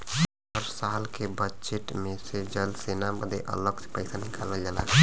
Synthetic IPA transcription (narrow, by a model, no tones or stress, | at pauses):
əɾsaːlkebəd͡ʒeʈmẽsed͡ʒəlsenaməd̪ḛʔə̰ləɡse̥pəɪsanikaləld͡ʒalak